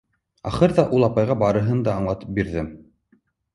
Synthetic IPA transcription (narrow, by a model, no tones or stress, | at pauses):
ɑ̰χɤɾðɑʔulˠɑpɑjʁɑbɑɾɤ̆ɦɤnd̪ɑːɴlˠɑt̪ɤ̥p̚biɾðɘm